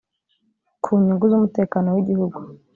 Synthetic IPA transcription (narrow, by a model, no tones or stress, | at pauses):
kʰuːɲuŋɡuzumute̞ːkanowiɟihuɡu